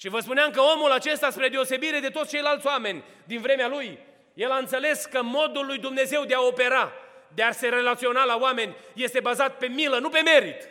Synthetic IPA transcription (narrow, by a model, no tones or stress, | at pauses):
ʃivəspuneamkəo̞mulat͡ʃe̞st̪aspɾe̞d̪e̞ose̞biɾe̞d̪e̞t̪ot̪st͡ʃe̞jlalt̪ʲowame̞nʲ | d̪invɾe̞mealuj | je̞laɨnt̪se̞le̞skəmo̞d̪ulːujd̪umne̞ze̞wd̪e̞ao̞pe̞ɾad̪ease̞ɾe̞lat̪sio̞nalawame̞nʲje̞st̪e̞bazat̪pe̞milənupe̞me̞ɾit̪